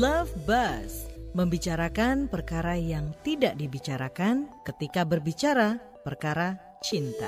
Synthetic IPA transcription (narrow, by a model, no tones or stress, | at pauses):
lafbasməmbit͡ʃaɾakanpərkaɾajaŋt̪idaʔdibit͡ʃaɾakankət̪ikabərbit͡ʃaɾa | pərkaɾa | t͡ʃint̪a